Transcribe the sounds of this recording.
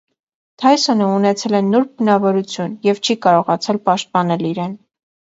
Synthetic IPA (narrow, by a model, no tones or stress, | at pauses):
t̪ʰɑjsɔnəunɛt͡sʰɛlɛnːɔɾbənɑvɔɾut͡sʰjunjɛvt͡ʃʰikɑɾɔʁɑt͡sʰɛlpɑʃt̪̚pɑnɛliɾɛn